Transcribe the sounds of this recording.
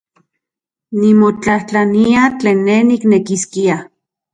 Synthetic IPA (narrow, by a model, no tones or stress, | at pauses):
nimot͡ɬaht͡ɬaniat͡ɬeːnːehniknekiskia